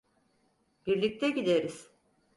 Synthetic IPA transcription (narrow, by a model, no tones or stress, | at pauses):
biɾlʲic̚t̪ʰɛɟid̪eɾiz̥